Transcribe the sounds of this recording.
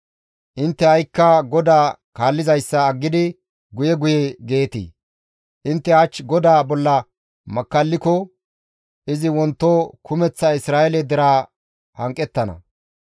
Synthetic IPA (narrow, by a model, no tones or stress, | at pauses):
ʔɪnt̪ːɛhɐjkːɐɡɔd̪aː | kaːlːɪzɐjsːɐːɡːɪd̪ɪ | ɡʊjɛɡʊjɛɡe̞ːt̪ḭː | ʔɪnt̪ːɛɐt͡ʃːɡɔd̪aːbɔlːɐ | mɐkːɐlːɪkɔ | ʔɪzɪwɔnt̪ːoːkʰʊmɛt͡sːɐɪsɾaːjɛlɛd̪ɛɾaː | hɐŋkʼːɛt̪ːɐnɐ̰